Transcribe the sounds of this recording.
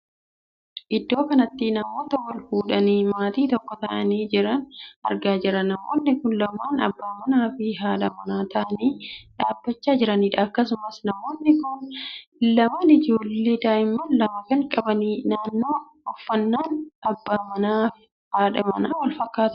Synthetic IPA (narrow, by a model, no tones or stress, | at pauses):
ʔɪd̪ːo̞ːkɐnɐt̪ːɪnɐmoːt̪ɐwɐlhuːᶑɐniːmaːt̪iːt̪ɔkːɔt̪ɐʔɐniːd͡ʒɪɾɐnɐ̰ɾɡaːd͡ʒɪɾɐnɐmoːnːɪkʊnlɐmaːnɐ̰bːaːmɐnaːfɪɦaːᶑɐmɐnaːt̪ɐʔɐniːᶑaːbːɐt͡ʃːaːd͡ʒɪɾɐniːᶑɐɐkːɐs̬ʊmɐsnɐmoːnːɪkʊnlɐmaːnɪd͡ʒoːlːeːd̪aːjɪmːɐnlɐmɐkɐŋkʼɐbɐninaːnːoː | ɔfːɐnːaːnɐbːaːmɐnaː | haːᶑɐmɐ̰naːwɐlfɐkːaːt̪ɐ